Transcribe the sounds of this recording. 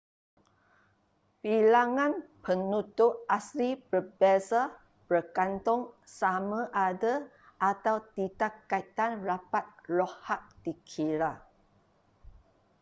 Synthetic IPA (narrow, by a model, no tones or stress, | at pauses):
pilaŋãnpənut̪ʊʔaslibərbɛsa | bərkant̪ʊŋsamãʔadə | ʔat̪awt̪idakːait̪anrapat̪̚lɔhaʔ̚d̥ikʰiɾa